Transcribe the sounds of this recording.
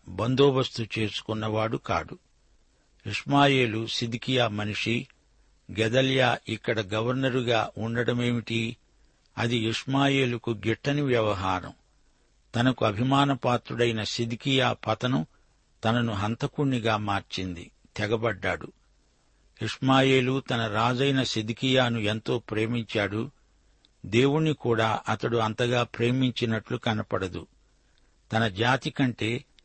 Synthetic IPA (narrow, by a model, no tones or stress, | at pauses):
bɐnd̪oːbɐst̪ut͡ʃe̞ːsu̥kunːɐʋaːɽuka̰ːɽu | iʂmaːje̞ːlusid̪ikijaːmɐniʂi | ɡɛd̪ɐljaːʔikːɐɽɐɡɐʋɐɾnɐɾuɡaːʔuɳɖɐɽɐme̞ːmiʈi | ɐ̰d̪iiʂmaːje̞ːlɐkuɡiʈːɐniʋjɐʋɐɦaːɾɐ̰m | t̪ɐnɐkuɐbʱimaːnɐpaːt̪ɾuɽɐjinɐsid̪ikijaːpɐt̪ɐnu | t̪ɐnɐnuɦɐnt̪ɐkuɳːiɡaːmaːɾt͡ʃind̪ḭ | t̪ɛɡɐbɐɖːaːɽu | iʂmaːje̞ːlut̪ɐnɐɾaːd͡ʒɐjnɐsid̪ikijaːnuent̪o̞ːpɾe̞ːmiɲt͡ʃaːɽu | d̪e̞ːwuɳnikuːɽaːʔɐt̪ɐɽuɐnt̪ɐɡaːpɾe̞ːmiɲt͡ʃinɐʈlukɐnɐpɐɽɐd̪ṵ | t̪ɐnɐd͡ʒaːt̪ikɐɳʈe̞ː